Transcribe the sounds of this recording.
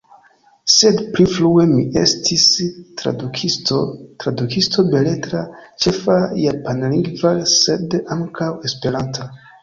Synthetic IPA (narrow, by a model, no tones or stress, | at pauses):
se̞dplifɾue̞miʔe̞̰stʰistɾa̰kistotɾadukistʰo̞be̞le̞tɾat͡ʃe̞fajapanliŋɡvase̞daŋkʰawe̞spe̞ɾantʰa